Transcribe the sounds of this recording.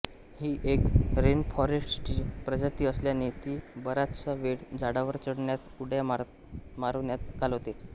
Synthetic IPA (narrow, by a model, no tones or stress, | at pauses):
hiːʔekɾenfɔɾesʈiːpɾəd͡ʑat̪iːəsljanet̪iːbəɾat̪t͡saʋeɽd͡zaɽaʋəɾt͡ɕəɽɳjat̪uɽja | maɾoʋnjat̪̚kalɦot̪e